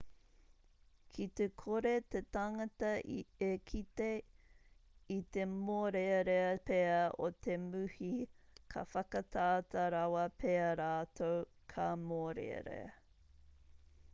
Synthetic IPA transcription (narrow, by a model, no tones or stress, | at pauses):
kʰit̪ekʰoɾet̪et̪aŋɐtɐʔiekʰit̪e | it̪emoːɾeɾeɐpeɐot̪ʰemʉhikʰɐ̰fɐkɐt̪ʰaːt̪ʰɐɾɐwɐpʰeɐɾaːt̪ʰow | kʰɐmoːɾḛɾḛ